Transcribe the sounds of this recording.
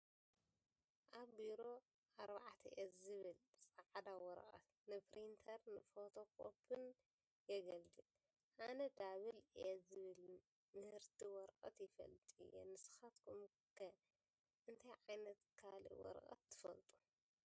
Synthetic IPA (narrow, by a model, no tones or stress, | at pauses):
ʔaβbiɾo̞ | ʔaɾbaʕt̪ʰɐ̰ʔezɨβɨlsʼaʕd̪awɔɾkʼɐ̰t̪ | nɨpɾint̪ʰɐɾnɨfot̪ʰo̞kʰʼo̰pɨn | jɛɡɐld̪ɨl | ʔanɐd̪aβɨlɛzɨβɨl | mɨhɨɾt̪ʰiwɔɾqʼɐ̰t̪jɪfɐ̰lt̪ʼɨ̰jɛ̰nɨsɨ̥xat̪kʰum | kʰɐ | ʔɨnt̪ʰajʕajnɐt̪kʰalḭwɔ̰ɾkʼɐ̰t̪ʰːɨ̥fɐlt̪ʼu̥